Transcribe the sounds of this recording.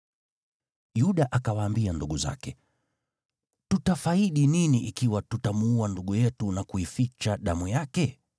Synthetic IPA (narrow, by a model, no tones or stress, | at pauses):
juɗaʔakawaːmbianduɠuza̰kɛ | tutafaiɗininiʔikiwatutamuuanduɠujɛtunakuifit͡ʃaɗamujakɛ